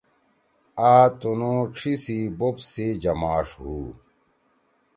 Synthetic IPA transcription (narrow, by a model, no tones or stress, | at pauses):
aːt̪unõːʈ͡ʂʰisibopsed͡ʑɐmaːʂɦuː